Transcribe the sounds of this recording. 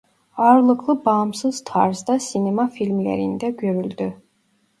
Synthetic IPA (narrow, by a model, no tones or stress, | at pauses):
ɑɾlˠɯklˠɯbɑmsɯz̥t̪ʰɑ̰ɾzd̪ɑsinemafilʲmlʲḛɾind̪ɛɟø̞ɾylʲd̪y